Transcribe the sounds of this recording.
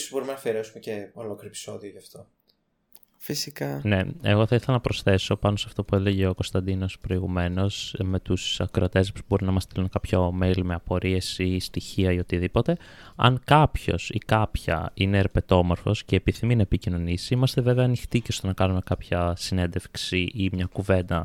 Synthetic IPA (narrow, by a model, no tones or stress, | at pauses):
sbo̞ɾimenɐfieɾesumeceolokɾopi̥so̞ðioʝɐft̪o̞ | fisikɐne̞e̞̰ɣo̞θɐiθe̞lɐnɐpɾo̞sθe̞so̞pɐnosɐft̪o̞pue̞le̞ʝeoko̞st̪ɐnd̪ino̞spɾo̞iɣume̞no̞sme̞t̪usɐkɾot̪e̞spo̥bo̞ɾinɐmɐst̪ilunkɐpçomelime̞ɐpo̞ɾie̞sist̪içiɐio̞t̪iðipo̞t̪e̞ | ɐ̰ŋkɐpço̞̰sikɐpçɐ̰ine̞ɾepe̞t̪o̞mo̞ɾfo̞sceːpiθiminɐepicino̞nisimɐst̪e̞ve̞ve̞ɐːnixt̪iceost̪onɐkɐnume̞kɐpçɐsine̞nd̪e̞fksiʔimɲɐkuve̞nd̪ɐ